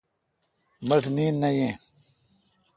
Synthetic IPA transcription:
mɐʈʰniːnːɐjẽː

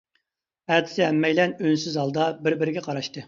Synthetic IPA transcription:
æd̪ʰɪ̥sɪɛmːɛjlɛnønsyzɑlˠd̪ɑbɪɾbɪɾɪɡʲɛqʰɑɾɑʃt̪ɨ

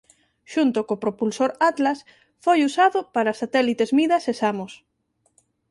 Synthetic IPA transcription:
ʃunt̪ʊkopɾopulsoɾat̪las | fojusaðʊpaɾasat̪ɛlit̪ezmiðɐsesamos

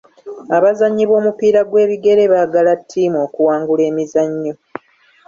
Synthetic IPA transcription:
aβazaɲːiβo̞ːmupiːɾaɡwe̞ːβiɡe̞ɾe̞βaːɡalatʰːiːmo̞ːkuwaːŋɡule̞ːmizaɲːo̞

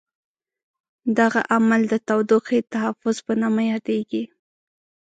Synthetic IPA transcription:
d̪aɣaʔamald̪ət̪awd̪uqit̪aɦafʊzpənamajɑd̪eɡi

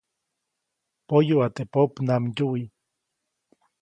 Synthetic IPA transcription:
pojuat̪epopnamɟui

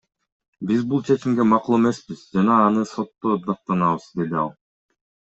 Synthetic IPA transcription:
bizbulˠt͡ʃʰe̞t͡ʃimɡe̞mɑqulˠe̞me̞sbiz̥d͡ʒɑnɑːnɯso̞t̪ːod̪ɑq̚t̪ɑnɑβɯzd̪e̞d̪iɑ̰lˠ

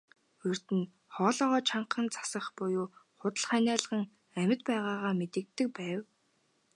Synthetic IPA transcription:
ɵr̥t̪ɘ̆n | χɔːɮɔːʁɔːt͡ɕʰaɴqə̆nt͡sḁsə̆χpʊjuːχʊt̪ə̆ɮχænʲæːɮə̆ʁə̆ŋ | æmʲɪ̆t̪̚pæːʁaːʁaːmet̪ɘ̆k̚t̪ːɘ̆k̚pæːw

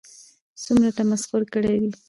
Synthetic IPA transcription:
sumɾaʈ̪amasxʊɾkəɽed̪i

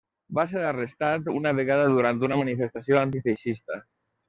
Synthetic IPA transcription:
baseɾarest̪at̪unaβeɣaðaðuɾant̪unamanifest̪asioant̪̬ifeʃist̪ə

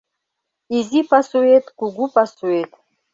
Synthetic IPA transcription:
izipasuet̪kuɡupasuet̪

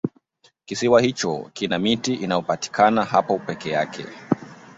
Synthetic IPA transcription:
kisiwahit͡ʃɔ̰kinamitiʔinajɔpati̥kʰanahapɔpɛkɛjakʰɛ̰

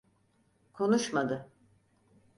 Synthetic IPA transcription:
kʰo̞nuʃmad̪ɯ

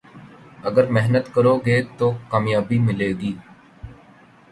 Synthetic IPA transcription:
əɡəɾmɛɦnət̪kəɾoːɡeːt̪oːkaːmjaːbiːmɪleːɡiː

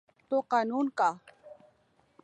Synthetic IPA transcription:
t̪oqɑnunka

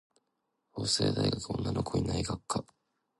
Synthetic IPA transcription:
hoːseːd̪aiɡakɯ̟õ̞nːano̞kʰo̞ɲʲinaiɡakːa

